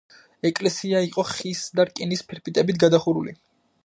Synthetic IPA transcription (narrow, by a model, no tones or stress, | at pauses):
ɛkʼlɛsiaiqʼɔχisd̪aɾkʼinispʰɛɾpʰit̪ʼɛbit̪ʰɡad̪aχuɾṵlḭ